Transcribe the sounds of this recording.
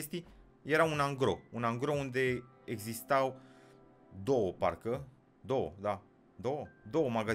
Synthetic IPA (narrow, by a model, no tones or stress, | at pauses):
est̪i | je̞ɾaunaŋɡɾo̞̰unaŋɡɾo̞und̪e̞ | eɡzist̪aw | d̪o̞wəpa̰rkə | d̪o̞wə̰d̪a | d̪owəd̪o̞wəmaɡa